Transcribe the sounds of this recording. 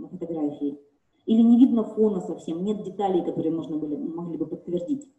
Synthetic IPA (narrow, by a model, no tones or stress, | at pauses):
fət̪ɐɡɾafʲɪɪ | ilʲɪnʲɪvʲid̪nəfonəsɐfsʲe̞mnʲe̞t̪̚dʲɪt̪alʲɪjkɐt̪o̞ɾɨjəmo̞ʐnəbɨlʲɪmɐɡlʲibɨpət̪ːvʲɪrdʲitʲ